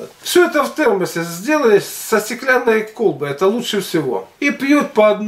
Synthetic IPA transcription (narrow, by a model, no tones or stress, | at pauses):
fsʲoɛt̪əft̪ɛrməsʲɪzʲdʲelˠəlʲɪsʲsəsʲtʲɪklʲanːəjkolˠbɨɛt̪əlˠutʂɨfsʲɪvo̞̰ipʲjot̪̚pɐɐd̪n